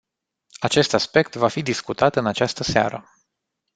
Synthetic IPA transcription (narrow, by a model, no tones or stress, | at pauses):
at͡ʃe̞st̪aspe̞k̚t̪vafid̪iskut̪at̪ɨnat͡ʃast̪əsea̰ɾə